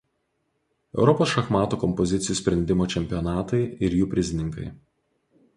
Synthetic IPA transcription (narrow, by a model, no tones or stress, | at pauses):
ɛ̰ʊɾɔpoːsʃɐxmɑːt̪oːkɔmpɔzʲɪt̪sʲɪjuːsʲpʲɾʲɛnʲd̪ʲɪmoːt͡ʃʲɛmʲpʲijɔnɑːt̪ɐɪɪɾjuːpʲɾʲɪzʲɪnʲɪŋkɐ̰ɪ